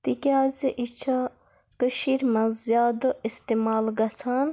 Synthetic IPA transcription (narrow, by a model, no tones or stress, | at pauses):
t̪ikʲaːziʔit͡ʃʰɐ | kəʃiɾmɐzjaːd̪ɨist̪emaːlɡɐt͡sʰaːn